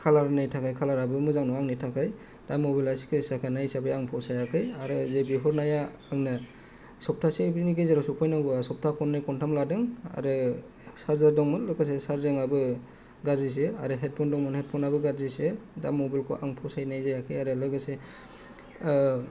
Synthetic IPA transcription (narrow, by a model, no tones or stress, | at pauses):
kʰalaɾnajtʰakʰajkʰalaɾabɯmɯzaŋnɔaŋnitʰakʰaj | d̥amɔbilasi̥kʰɯsakʰanajsabajaŋpʰɔsajakʰɯjaɾɯzebiɦɔɾnaja | aŋnɯ | sɔp̚tʰasebiniɡezaɾɔsɔpʰɔjnaɡuasɔp̚tʰakʰɔnːɯjkɔntʰamladɯŋa̰ɾɯ | saɾzaɾdɔŋmɯnlɯɡɯs̬esaɾzɯŋabɯ | ɡaɾzis̬eaɾɯɦet̚pʰɔndɔŋmɔnhet̚pʰɔnabɯɡaɾzisedamɔbilkʰɔ̰ʔaŋpʰɔsajnajzajakʰɯjaɾɯlɯɡɯse